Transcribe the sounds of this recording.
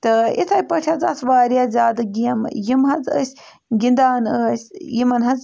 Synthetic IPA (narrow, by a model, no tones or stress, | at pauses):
t̪ɨḭt̪ʰɐjpɐʈʰɐzɐ̰sʰʋaːɾijazʲaːd̪ɨɡijɐmjimɦɐzə̰sʲ | ɡind̪aːnəɐsʲjimɐnɦɐz